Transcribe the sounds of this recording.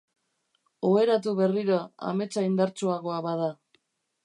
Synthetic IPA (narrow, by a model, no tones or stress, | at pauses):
oe̞ɾat̪uβe̞riɾoa̰me̞t͡saind̪aɾt͡suaɣoaβað̞a